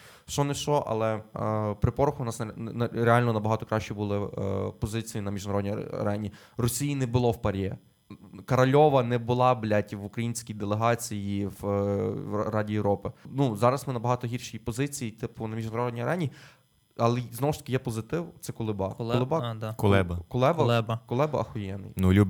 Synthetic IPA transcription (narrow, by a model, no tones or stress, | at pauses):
ʃt͡ʃɔnɛʃɔʔɐ̰lˠɛpɾɪpɔɾʊxʊʊnɑsnɾeɑlʲnɔnɐbɐɦɑt̪ɔkɾɑʃʲt͡ʃibʊlˠɪpɔzɪt͡sʲijinɐmʲiʒnɐɾɔd̪ʲnʲiɐ̰ɾɛnʲi | ɾɔsʲijinɛbʊlˠɔwpɐɾʲjɛ | kɐɾɐlʲɔʋɐnɛbʊlˠɑblʲatʲiʋʊkɾɐjinʲsʲkʲijd̪elˠeɦɑt͡sʲijiw | ɾɑdʲijewɾɔpɪnuzɑɾɐsmɪnɐbɐɦɑt̪ɔɦʲirʃijipɔzɪt͡sʲijit̪ɪpʊnɐmʲiʒnɐɾɔdʲnʲijɐɾʔɛnʲi | ɐlˠɛznɔwʊʃt̪ɐkɪjɛpɔzɪt̪ɪwt̪sɛkʊlˠɪbɑʊlˠɪbɑkʊlˠɛbɐkʊlˠɛbɐɛkʊlˠɛbɐɐxɔjɛnɪ̰jnulʲubʲ